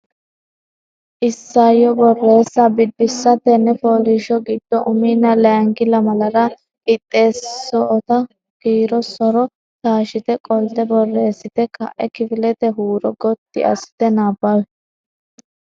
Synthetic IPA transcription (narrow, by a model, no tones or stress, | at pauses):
ʔɪsːajɔbɔrːe̞ːsːɐbɪd̪ːɪsːɐt̪ɛnːɛfoːlɪʃɔɡɪd̪ːɔʔʊmiːnːɐlɛɐŋɡɪlɐmɐlɐɾɐ | ɪt̪ʼːe̞ːsːɔːt̪ɐ | kiːɾɔsɔɾɔ | t̪aːʃɪt̪ɛkʼɔlt̪ɛbɔrːeːsːɪt̪ɛkɐ̰ʔɛkɪfɪlɛt̪ɛɦuːɾɔɡɔt̪ːɪ̰ʔɐ̰sɪ̥t̪ɛnaːbɐj